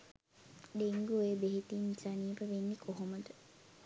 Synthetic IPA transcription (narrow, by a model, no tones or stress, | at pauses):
deŋɡuebeɦet̪insaniːpəʋenːikʰoɦoməd̪ə